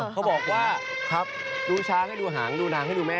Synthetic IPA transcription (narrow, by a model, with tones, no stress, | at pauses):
a˦˥wbɔː˨˩k̚waː˥˩ | kʰa˦˥p̚ | duː˧t͡ɕʰaː˧ha˥˩jduː˧ɦaː˩˦ŋduː˧naː˨˦ŋɦa˥˩jduː˧mɛː˦˥